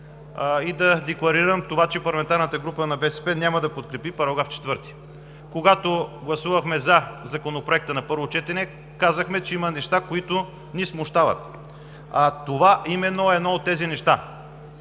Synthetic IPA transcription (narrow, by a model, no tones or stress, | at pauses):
id̪ɐd̪ɛklˠɐɾiɾəmt̪ovat͡ʃɛpɐɾlɐmɛnt̪aɾnət̪əɡɾupənɐbɛsɛ̥pɛnʲaməd̪ɐpot̪kɾɛpipɐɾɐɡɾaft͡ʃɛ̥t̪vɤɾt̪i̥ | koɡat̪oɡlˠɐsuvəxmɛzɐzɐkonopɾoɛk̚t̪ənɐpɤɾvot͡ʃɛt̪ɛnɛ | kazəxmɛt͡ʃɛimɐnɛʃt̪akoit̪ʊ | nismoʃt̪avɐ̰t̪ | at̪ovaʔimɛnːoɛd̪nɔot̪ːɛzinɛʃt̪a